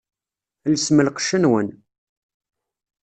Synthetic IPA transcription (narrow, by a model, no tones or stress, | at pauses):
ləsməlqə̥ʃːənwən